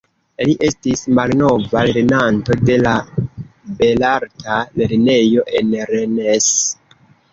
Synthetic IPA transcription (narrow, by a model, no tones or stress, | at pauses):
liʔe̞stismalno̞valeɾnanto̞de̞la | be̞laɾtale̞ɾne̞jo̞ʔe̞nɾenes